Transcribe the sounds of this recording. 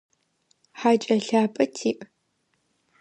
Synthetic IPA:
ħaːt͡ʃʼɐɬaːpʼɐtʰiːʔʼ

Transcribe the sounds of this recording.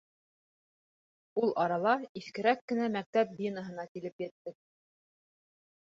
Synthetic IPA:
ulˠʔɑɾɑlˠɑiθkɘ̆ɾækːɘ̆næmæk̚t̪æp̚bʲinə̆ɦɤ̆nɑkilɘpjæt̪ːɘk̚

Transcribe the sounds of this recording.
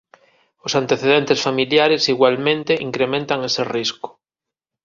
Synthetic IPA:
osant̪eθeðent̪esfamiljaɾesiɣwalmẽnt̪eʔiŋkɾemẽnt̪aŋeseriskʊ̥

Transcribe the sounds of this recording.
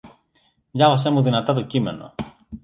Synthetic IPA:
ʝɐvɐse̞muðinɐt̪ɐt̪ocime̞no̞̰

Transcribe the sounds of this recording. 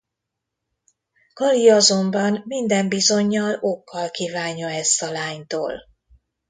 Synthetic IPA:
kɒliɒzo̞mbɒnmind̪ɛmbizo̞ɲːɒlo̞kːɒlkiːvaːɲɒɛst̪ɒlaːɲt̪o̰ːl

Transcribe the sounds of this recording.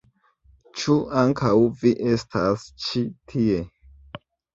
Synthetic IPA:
t͡ʃuaŋkʰawviʔe̞stʰast͡ʃitʰie̞

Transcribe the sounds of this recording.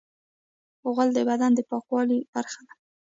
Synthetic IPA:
oɣald̪əbad̪and̪əpɑkwɑlib̥aɾxad̪a

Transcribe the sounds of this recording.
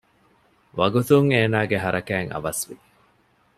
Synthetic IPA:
ʋɐɡut̪uŋeːnaːɡeɦɐɾʔɐkæːŋɐ̰ʋɐsʋi

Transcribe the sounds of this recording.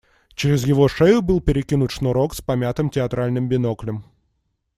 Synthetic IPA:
t͡ɕɪɾʲɪzjɪvo̞ʂɛjʊbɨlˠpʲɪɾʲɪkʲinʊt̪ʂnoɾokspɐmʲat̪ɨmtʲɪɐt̪ɾalʲnɨmbʲɪnoklʲɪm

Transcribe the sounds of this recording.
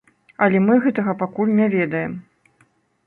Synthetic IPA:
ɐlʲɛmɨɣɛt̪ɐɣɐpakulʲnʲavʲɛd̪ɐjɛm

